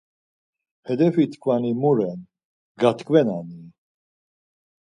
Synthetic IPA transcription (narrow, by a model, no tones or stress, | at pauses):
hɛd̪ɛvit̪ʰkʰʼvanimuɾɛn | ɡat̪kʼvɛnani